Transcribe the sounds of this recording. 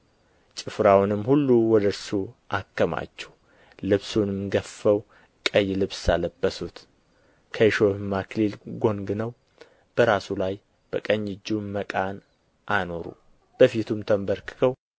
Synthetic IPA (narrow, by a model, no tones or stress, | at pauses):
t͡ʃʼɨfɾawnɨmhulːuwɔd̪əɨɾsuʔakːəma̰t͡ʃːɛ̥h | lɨβsunɨmɡəfːəw | kʼəjːlɨβsaləbːəsut̪ | kʰəʃohɨmːakʰlilɡo̞ŋɡɨnəw | b̥əɾasulaj | b̥əkʼəɲːɪd͡ʒːuməkʼan | ʔano̞ɾṵ | b̥əfit̪ʰumt̪ʰəmbəɾkʰɨ̥kʰəw